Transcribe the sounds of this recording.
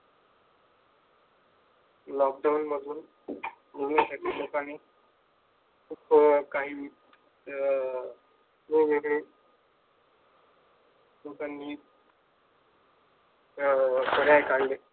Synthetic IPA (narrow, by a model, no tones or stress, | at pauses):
lɔk̚ɖawnməd̪ʱuːn | memiːsaʈʰiːlokane | kʰuːpkaɦiː | miːʋeɡɽe | lokanːiː | kəɽajkaɽle